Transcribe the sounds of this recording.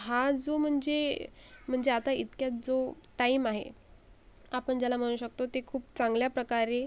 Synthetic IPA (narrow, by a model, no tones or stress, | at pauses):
ɦad͡zom̤əɳd͡zem̤əɳd͡zeat̪aḭt̪kjat͡sd͡zoʈaimaɦḛ | apəɳd͡ʑjalam̤əɽ̃uːɕəkt̪ot̪ekʰuːpt͡sãŋɡljapɾəkaɾe